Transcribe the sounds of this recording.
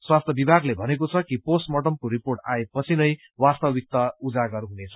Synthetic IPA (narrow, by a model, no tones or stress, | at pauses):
swast̪ʰjʌbibʱaɡlebʱʌnek̬ot͡sʰʌkiposʈmʌʈʌmkoɾiporʈa̰epʌt͡sʰinʌj | wast̪ʌbik̚t̪ʌud͡zaɡʌɾɦunet͡sʰʌ̥